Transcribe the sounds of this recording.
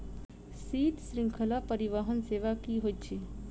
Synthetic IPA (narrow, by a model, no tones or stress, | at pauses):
siːt̪sɾɪ̃ŋkʰəlapəɾiʋaːɦənseːʋakiɦot̪t͡ʃʰe